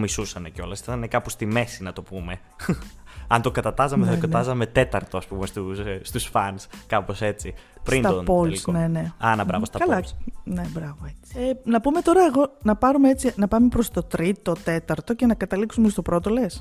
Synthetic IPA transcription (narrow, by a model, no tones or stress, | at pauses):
misusɐneco̞lɐsit̪ɐnekɐpost̪ime̞sinɐt̪o̞pume̞ | ɐnt̪o̞kɐt̪ɐt̪ɐzɐmeθɐt̪okɐɐzɐme̞t̪e̞t̪ɐɾt̪o̞ɐspumest̪ust̪usfɐnskɐpo̞se̞t͡si | psɾint̪ɐpolne̞ne̞ɐnɐbɾɐ̰vost̪ɐkɐlɐne̞bɾɐvoet͡si̥enɐpume̞t̪o̞ɾɐeɣo̞nɐpɐɾumeet͡sinɐpɐme̞pɾo̞st̪o̞t̪ɾit̪o̞t̪e̞t̪ɐɾt̪o̞ce̞nɐkɐt̪ɐliksumest̪opɾo̞t̪o̞le̞s